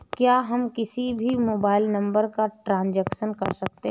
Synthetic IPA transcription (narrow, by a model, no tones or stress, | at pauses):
kjaːɦɐmkɪsibʱimoːbaːɪlnɐ̃mbəɾkaʈɾãːnd͡ʒɛːkʃənkɐɾsɐk̚t̪eɦ